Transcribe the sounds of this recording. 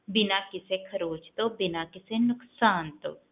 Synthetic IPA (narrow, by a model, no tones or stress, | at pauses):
bɪnakɪsekʰəɾoːd͡ʒt̪obɪnakɪsenʊksaːnt̪o̰ː